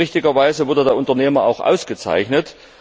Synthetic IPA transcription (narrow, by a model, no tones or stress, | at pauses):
ɪçtɪɡɐvaɪzəvʊɐdədeːɐʊntɐneːmɐa̰ʊxʔa̰ʊsɡ̥ət͡sa̰ɪçnət